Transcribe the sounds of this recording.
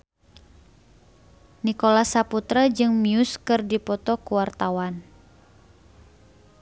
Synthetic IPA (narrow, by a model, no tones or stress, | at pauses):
nikolasaput̪ɾad͡ʒɨŋmiuskɨrdipɔt̪ɔkuwart̪awan